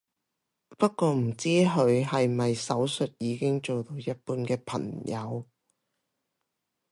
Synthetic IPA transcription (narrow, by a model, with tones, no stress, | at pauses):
pɐ˥t̚kɔː˧m̩˨˩t͡siː˥ɦɵ˨˧ɥɦɐ˨jmɐ˨jsɐ˨˥wsɵ˨t̚jiː˨˧kɪ˥ŋt͡so˨wt̪o˧wjɐ˥t̚puː˧nkɛː˧pʰɐ̰˨˩ŋjɐ˨˧w